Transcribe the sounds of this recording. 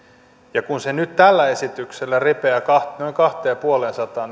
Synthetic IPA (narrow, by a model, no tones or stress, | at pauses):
jɑkunsenyt̪t̪ælːæe̞sit̪ykselːærepeækɑnoiŋkɑht̪eːpuolensɑt̪ɑːn